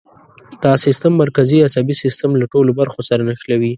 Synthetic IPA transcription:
d̪̥ɑsɪst̪amːaɾkaziasabisɪst̪amlaʈolobaɾxosaɾanaxlawi

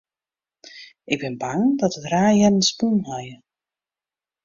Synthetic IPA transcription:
ɪɡ̚bɪnbaŋdɔtətraːjɛnənspunɦɔjə

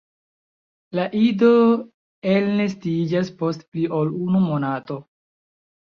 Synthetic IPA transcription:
laʔido̞ | elnestid͡ʒaspo̞stpliʔolunumo̞nato̞

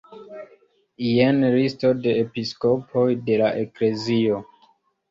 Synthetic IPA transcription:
ijenɾistode̞ːpisko̞pʰo̞jde̞laʔekle̞zio̞

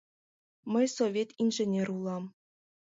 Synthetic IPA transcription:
mɘ̆jsoʋʲet̪ʲinʲʐɘ̆nʲerʲulˠɑm

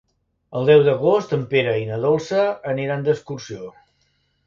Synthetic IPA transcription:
əlˠd̪ɛwd̪əɣost̪əmpeɾəinəðolˠsəːneɾand̪əskursio

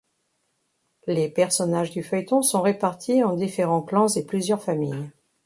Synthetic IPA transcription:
lepɛʁsɔnaʒd̪yfœjt̪ɔ̃sɔ̃ʁepaʁt̪ʰiɑ̃d̪ifeʁɑ̃klɑ̃zeplyzjœʁfamij

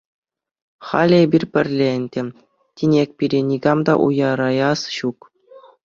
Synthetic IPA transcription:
χɑ̰lʲiebʲirʲpʲɘ̆rʲlʲenʲtʲɘ̆ | tʲinʲek̚ʲpʲiɾʲenʲiɡɑmd̪ɑ̰ʔṵjɑɾɑjɑsɕuk

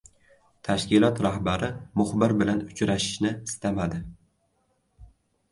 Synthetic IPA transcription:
t̪ʰaʃkʲɪlɒt̪ɾahbaɾɪmʊχbɪɾbɪlanʊt͡ʃʰɾaʃɪ̥ʃnɪst̪amad̪ɪ

